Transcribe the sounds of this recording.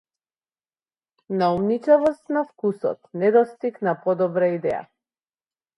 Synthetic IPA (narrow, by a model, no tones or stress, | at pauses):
naumnit͡ʃɛvɔst̪nafkusɔ̰t̪nɛd̪ɔst̪iknapɔd̪ɔbɾaid̪ɛja̰